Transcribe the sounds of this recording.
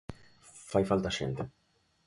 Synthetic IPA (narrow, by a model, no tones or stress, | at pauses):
fɐjfɐlt̪ɐʃɛ̰nt̪ɛ